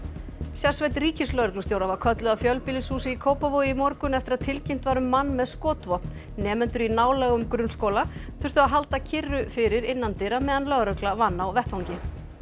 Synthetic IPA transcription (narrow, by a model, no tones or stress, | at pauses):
sjaɾ̥svɛjt̪riːcɪslœɣɾʏklʏsjowɾavaɾ̥kʰœt̪lœðafjœlpɪlɪsuːsɪikʰoːwpavoimɔɾkʏnɛft̪ɪɾaðt̪ʰɪlcɪm̥t̪vaːɾʏmːanːmɛðskɔːt̪vɔpnː | ɛːmɛnt̪ʏɾinaːwlɛɣʏmkɾʏnskoːwlaθʏ̥t̪ʏaɦal̪t̪acʰɪrːʏfɪɾɪɾɪnːant̪ɪɾamɛːðanlœɣɾœklavanːawvɛht̪vaŋcɪ